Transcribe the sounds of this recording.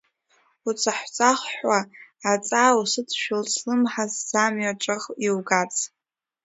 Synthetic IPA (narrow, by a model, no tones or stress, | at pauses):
ut͡sʰaħʷt͡sʼaχʷħʷaːt͡sʼaːusɨt͡sʰʃᶣɪlt͡sʰlɨmħaz̥ːamɥaʈ͡ʂʷʼaʁiwɡat͡sʼ